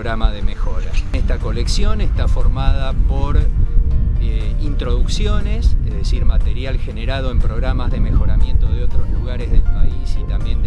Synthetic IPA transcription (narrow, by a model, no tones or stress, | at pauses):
ɣɾamaðemexoɾaest̪ako̞le̞ksjo̞nest̪afo̞ɾmaðapo̞ɾ | int̪ɾo̞ðuksjo̞ne̞sezðesiɾmat̪e̞ɾjalxe̞ne̞ɾað̞o̞empɾo̞ɣɾamazðe̞me̞xo̞ɾamje̞nt̪o̞ð̞eo̞t̪ɾo̞zluɣaɾezðelpaisit̪ambjen